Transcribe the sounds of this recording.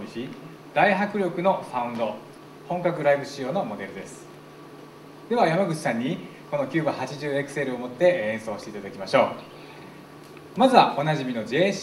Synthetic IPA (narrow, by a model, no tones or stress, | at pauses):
içʲi | d̪̥aiɦakɯ̟ɾʲo̞kɯ̟no̞saɯ̟̃nd̪o̞ | hõ̞ŋkakɯ̟ɾaibɯ̟ɕio̞ːno̞mo̞d̪e̞ɾɯ̟d̪e̞sɨ̥ | d̪̥e̞βajamaɡɯ̟t͡ɕi̥sãɲ̟ːi | ko̞no̞kʲɨːbahat͡ɕiʑɨːe̞kɯ̟̥se̞ɾɯ̟omo̞t̪ːe̞ẽ̞so̞ːɕi̥t̪eit̪ad̪akʲimaɕo̞ː | mazɨβaʔo̞naʑimʲinod͡ʑ